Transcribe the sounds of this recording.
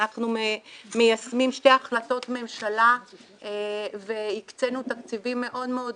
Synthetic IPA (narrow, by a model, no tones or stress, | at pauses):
aχnumejasmimʃte̞jaχlato̞tme̞mʃala | ve̞ikt͡se̞nutakt͡sivimːe̞ʔo̞dmeo̞d